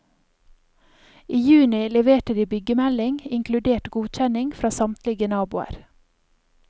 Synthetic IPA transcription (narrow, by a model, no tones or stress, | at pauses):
ʔiːjʉːnɪlɛʋeːʈəd̪iːbʏɡəmɛlɪŋɪŋkʰlʉd̪eːʈɡuːc͡çɛnɪŋfɾɑːsɑmt̪lɪɡənɑːbʊə̰ɾ